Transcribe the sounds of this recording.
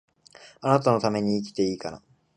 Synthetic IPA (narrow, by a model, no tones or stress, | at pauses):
anat̪ano̞t̪ame̞ɲ̟iːk̬ʲi̥t̪e̞iːkana̰